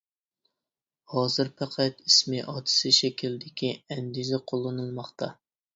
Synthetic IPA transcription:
hɑːzɨɾpʰæqʰæt̪ismɪʔɑt̪ʰɨ̥sɨʃɛkʲʰild̪ɪkʲʰiɛnd̪izɛqʰolˠːɨnɨlˠmɑχt̪ʰɑ

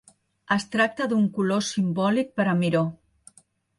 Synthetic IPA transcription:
əst̪ɾak̚t̪əðuŋkulosimbɔlik̚pəɾamiɾo

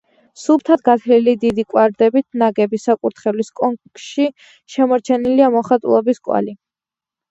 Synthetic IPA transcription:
sup̚t̪ʰad̪ɡat̪ʰlilid̪id̪ikʼwaɾd̪ɛbit̪ʰnaɡɛbisakʼuɾt̪χɛliskʼɔŋkʃi | ʃɛmɔɾt͡ʃʰɛniliamɔχat̪ʼṵlˠɔbiskʼwa̰li

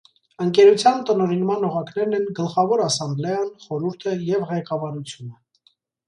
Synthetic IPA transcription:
əŋkɛɾut͡sʰjɑnt̪ənɔɾinmɑnɔʁɑkn̪ɛɾnɛnɡəlχɑvɔɾɑsɑmblɛɑnχɔɾuɾt̪ʰəjɛvʁɛkɑvɑɾut͡sʰjunə

